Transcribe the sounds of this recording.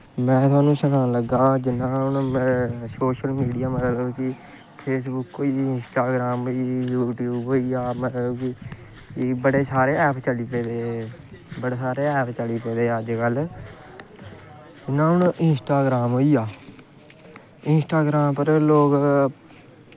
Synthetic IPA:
mɛ̃ːt̪ʊaːnũːʃəkaːnləɡːaːd͡ʒɪnãːɦʊn | soːʃəlmiːɖijaːmət̪ləbkɪ | pʰeːs̬bʊkɦoːiːɪnsʈaːɡɾaːmiːjuːʈjuːbɦoːiːaːmət̪ləbkɪ | bəɽeːsaːɾeːɛːpt͡ʃəliːpẽːd̪eː | bəɽeːsaːɾeːɛːpt͡ʃəliːpeːd̪eːəd͡ʒkəl | d͡ʒɪnːãːʊɳɪnsʈaːɡɾaːmɦoːiːaː | ɪnsʈaːɡɾaːmpəɾloːk

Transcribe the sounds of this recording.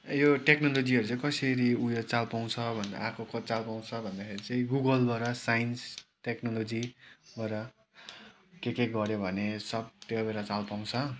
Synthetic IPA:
joʈeknolod͡ziɦʌɾut͡sʌĩkʌsʌɾiujot͡salpaw̃t͡sʰʌbʱʌnd̪a̰akʰokʌt͡salpaw̃t͡sʰʌbʱʌnd̪akʰeɾit͡sʌĩɡuɡʌlbʱaɾʌsajinsʈeknolod͡zibaɾʌ | kekeɡʌɾjobʱʌnesʌb̚t̪ebeɾat͡salpaw̃t͡sʰʌ

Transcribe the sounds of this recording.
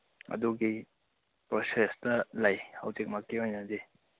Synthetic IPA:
ɐ̰duɡi | pɾosestɐlɐjhɐ̰wtek̚mɐkːiojnɐdi

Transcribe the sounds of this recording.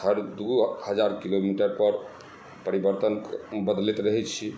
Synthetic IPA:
əɾd̪uhəd͡ʒaɾkilomiʈəɾpəɾ | pəɾibəɾt̪ənbəd̪lit̪ɾəɦɛt͡ʃʰi

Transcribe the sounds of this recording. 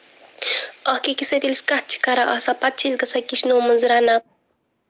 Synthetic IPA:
ɔhkekiset̪iliskat̪̚t͡ʃʰi̥kaɾaʔɐsapat̪̚t͡ʃʰilɡɐsakiʃnomənzɾana

